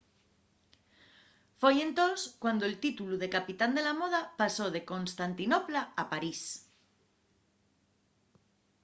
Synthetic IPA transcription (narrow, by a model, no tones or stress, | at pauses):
fojẽnt̪oskwand̪oelt̪it̪uluðe̞kapit̪and̪e̞lamo̞ð̞apaso̞ð̞eko̞nst̪ant̪inoplaːpaɾis